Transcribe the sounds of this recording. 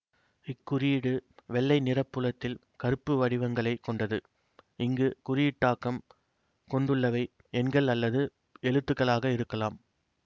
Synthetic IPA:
ɪkːʊɾijɪɽɯʋɛɭːɐɪnɪrɐpːɯɭɐt̪ːɪl | kɐɾɯpːɯʋɐɽɪʋɐŋɡɐɭɐɪkɔɳɖɐðɯ | ʔɪŋɡɯkʊɾɪjɪʈːaːkːɐm | kɔɳɖɯɭːɐʋɐɪ | ɛnɡɐɭɐlːɐðɯ | ɛɻɯt̪ːɯkːɐɭaːɣɐɪɾɯkːɐlaːm

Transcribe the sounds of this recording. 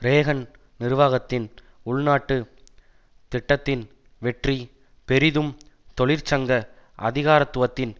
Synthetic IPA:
ɾeːɣɐn | nɪɾɯʋaːɣɐt̪ːɪn | ʊɭnaːʈːɯ | t̪ɪʈːɐt̪ːɪn | ʋɛʈri | pɛɾɪðɯm | t̪ɔɭɪɾt͡ʃɐŋɡɐʔɐ̰ðɪɣaːɾɐt̪ːʊʋɐt̪ːɪn

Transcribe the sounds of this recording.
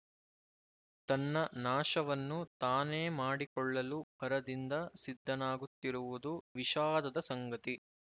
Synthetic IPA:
t̪ɐnːɐnaːʂɐʋɐnːut̪aːneːmaːɽikɔɭːɐlubɐɾɐd̪ind̪ɐsid̪ʱːɐnaːɡut̪ːiɾuʋud̪uʋiʃaːd̪ɐd̪ɐsɐŋɡɐt̪i

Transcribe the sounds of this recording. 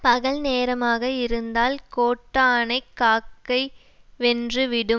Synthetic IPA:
pɐɣɐɭneːɾɐmaːɣɐɪɾɯnd̪aːlkoːʈːaːnɐɪkːaːkːɐɪ | ʋɛndrɯʋɪɽɯ

